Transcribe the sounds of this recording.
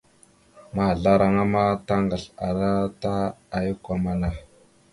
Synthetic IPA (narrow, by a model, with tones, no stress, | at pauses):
ma˨ɮa˦ɾa˨ŋa˦ma˦ta˦ŋɡa˨ɬa˨ɾa˦ta˦a˨ju˦kʷa˦ma˦na˨